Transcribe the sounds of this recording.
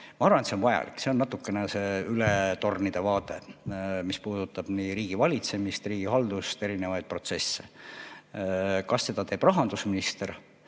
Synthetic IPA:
mɑɑɾrvɑnet̪seonvɑjɑ̰lḭkːˑse̞o̞nːɑt̪ːˑukːˑe̞nese̞ːylet̪o̞rnid̪̥e̞vɑːt̪ˑe̞mispuːd̪̥ut̪ːˑɑb̥niːɾiːɡ̥ivɑlʲit̪se̞mist̪riːɡ̥ihɑld̪̥ust̪e̞ɾinevɑjd̪̥̚pro̞t̪se̞sːe̞ | kɑsːe̞d̪̥ɑt̪e̞ːb̥rɑɦɑnd̪usminist̪e̞r

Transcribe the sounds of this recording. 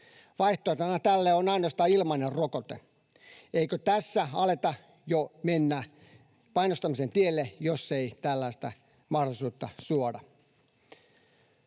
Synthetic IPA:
ʋɑiht̪oːˑt̪ɑnɑt̪ælːeonɑinost̪ɑːilmɑinerrokot̪ḛ | eikøt̪æsːæɑlet̪ɑ | jomenːæː | pɑinost̪ɑmisent̪ielːejosːeit̪ælːæist̪æ | mɑhdolisuːt̪ːɑsuodɑ

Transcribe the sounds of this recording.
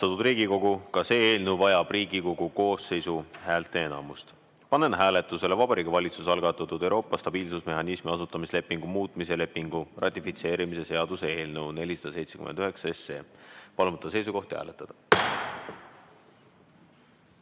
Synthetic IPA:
sɑt̪ud̪riːɡiko̞ɡukɑse̞ːeːlnewvɑjɑb̥riːɡiko̞ɡ̥uko̞ːsːe̞jsuhæːlt̪ˑe̞enɑmust̪ | pɑnenɦæːle̞t̪ːˑuse̞le̞vɑb̥ɑɾiːkɑvɑlʲit̪susɑlɡ̥ɑt̪ːˑɑt̪ːud̪̥ewɾo̞ːpːˑɑst̪ɑb̥iːlsusme̞ɦɑnismiɑsut̪ːˑɑmisle̞pːˑiŋɡ̥umuːt̪ˑmise̞le̞pːiŋɡ̥urʔɑt̪ʲːˑifit̪se̞ːɾimise̞se̞ɑd̪usee̞ːlne̞wne̞lʲisɑ̥d̪ɑse̞jt̪sʰe̞ky̰mḛnd̪̥yɦe̞ksɑe̞se̞̰ːpɑlmut̪ːɑs̬e̞jsuko̞ht̪ihæ̰ːlet̪ːˑɑd̪̥ɑ

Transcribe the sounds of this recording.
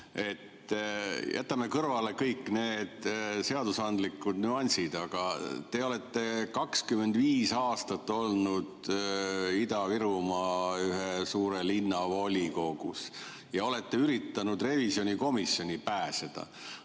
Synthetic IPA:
e̞t̪ː | jʔæ̰t̪ːˑɑme̞kɤrvɑle̞kɤjkːˑne̞ːd̪̥se̞ɑd̪usɑnd̪likːˑud̪nyɑnʲsid̪̥ɑɡ̥ɑt̪e̞o̞le̞t̪ːe̞kɑkskyme̞nd̪viːsɑːst̪ɑt̪ːˑo̞lnud̪̥ | id̪ɑviɾumɑyɦesuːɾelinːɑvo̞lʲiko̞ɡ̥ṵs | jɑo̞le̞t̪ːe̞yɾit̪ˑːɑnud̪re̞visjo̞nʲiko̞misːjo̞nʲipæːsed̪̥ɑ̰

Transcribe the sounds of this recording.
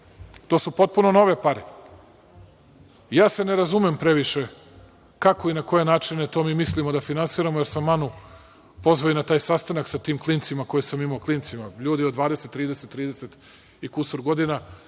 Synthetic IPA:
t̪osupo̞t̪̚puno̞no̞ʋe̞paɾe | jaːse̞neɾazumempɾe̞ʋiʃe | kako̞inako̞je̞naːt͡ʃinet̪o̞ːmiːmislimod̪afinansiːɾamojeɾsamːanu | po̞zʋojinat̪aːjsast̪anaksat̪iːmklˠiːnt̪simako̞jesamimaokliːnt̪simaʎuːd̪iod̪ʋaːd̪eset̪ːɾiːd̪eset̪ːɾiːd̪eset̪ | ikusoɾɡo̞d̪ina

